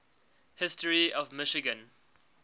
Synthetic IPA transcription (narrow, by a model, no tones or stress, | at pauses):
hɪstəɹiɔvmɪʃɪɡə̃n